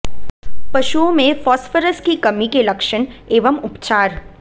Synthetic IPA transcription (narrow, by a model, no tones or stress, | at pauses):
pɐʃuõmẽfɔːsfəɾəskikɐmikelɐkʃəɳeːʋəmʊpt͡ʃaːɾ